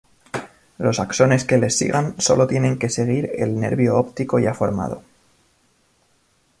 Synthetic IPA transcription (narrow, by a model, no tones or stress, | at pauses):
lo̞sakso̞ne̞ske̞le̞sːḭɣanso̞̰lo̞t̪je̞nẽ̞ŋke̞se̞ɣ̞iɾe̞̰lne̞̰ɾβjoopt̪iko̞jafo̞ɾma̰ð̞o̞̰